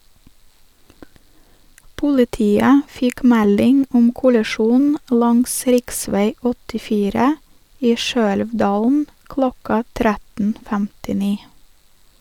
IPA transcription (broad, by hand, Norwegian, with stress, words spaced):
pʊlɪˈtiːə ˈfɪk ˈmɛlɪŋ ˈʊm kʊlɛˈʃuːn ˈlɑŋs ˈɾɪkˌsʋeɪ ɔtɪˈfiːɾə ˈiː ˈʃøːɛlʋˌdɑːln̩ ˈklɔkɑ ˈtɾætn̩ fæmtɪˈniː